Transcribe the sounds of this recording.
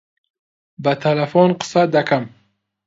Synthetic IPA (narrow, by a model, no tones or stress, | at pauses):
bat̪ʰalafɔnqʰɨ̥sad̪akʰam